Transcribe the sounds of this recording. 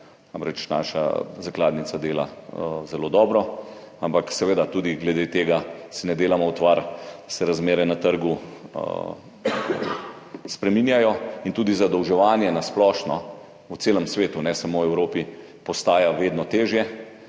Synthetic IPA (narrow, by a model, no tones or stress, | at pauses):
amɾɛt͡ʃna̰ːʃa̰zaklaːd̪nit̪sad̪eːla̰zɛlod̪ɔːbɾɔ | ampaksɛʋeːd̪at̪ud̪iɡlɛd̪eːt̪eːɡasinɛd̪eːlamɔut̪ʋaɾsɛɾazmeːɾɛnat̪əɾɡu | spɾɛminjajɔint̪uːd̪izad̪ɔwʒɛʋaːnjɛnasplɔːʃnɔ | ut̪seːləmsʋeːt̪unɛsamowɛwɾoːpi | pɔst̪aːjaʋeːd̪nɔt̪eːʒjɛ